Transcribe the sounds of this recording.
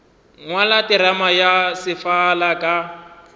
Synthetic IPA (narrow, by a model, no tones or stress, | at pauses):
ŋwalatʼɪɾamajasɪfalakʼa